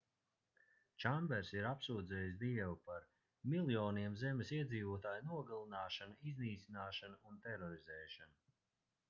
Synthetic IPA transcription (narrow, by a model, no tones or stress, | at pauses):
t͡ʃambɛɾsiɾapsuːd̪zɛːjs̬d̪iɛvupaɾ | milˠjɔːniɛmzɛmesiɛd̪ziːvuɔt̪aːjunuɔɡalˠinaːʃanaizniːt̪sʲinaːʃanaunt̪ɛɾɔɾizɛːʃanu